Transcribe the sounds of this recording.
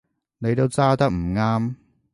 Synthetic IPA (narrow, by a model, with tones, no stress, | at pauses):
ne˨˧jt̪o˥wt͡saː˥t̪ɐ˥k̚m̩˨˩ŋaː˥m